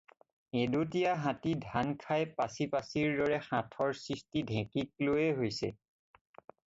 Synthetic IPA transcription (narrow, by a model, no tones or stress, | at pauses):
edut̬ijaɦãtidʱankʰajpasipasiɹdɔɹɛxãtʰɔɹsɹistidʱɛ̃kik̚lojɛɦojsɛ̰